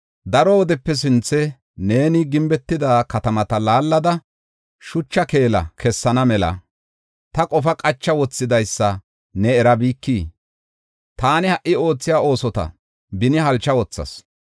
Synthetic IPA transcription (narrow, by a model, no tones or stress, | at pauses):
d̪ɐɾɔwɔd̪ɛpːɛs̬ɪnt͡sːɛ | ne̞ːnɪɡɪmbɛt̪ːɪd̪aːkɐt̪ɐmɐt̪ɐlaːlːɐd̪ɐ | ʃʊt͡ʃːɐke̞ːlɐ̰kʰɛsːɐnɐmɛlɐ̰ | t̪ɐkʼɔfɐkʼɐt͡ʃːɐwɔt͡sːɪd̪ɐjsːɐ | nɛɛɾɐbiːkːiː | t̪aːnɪhɐʔɪo̞ːt͡sːɪjaːo̞ːsɔt̪ɐ̰ | bɪnɪhɐlt͡ʃːɐwɔt͡sːɐ̰s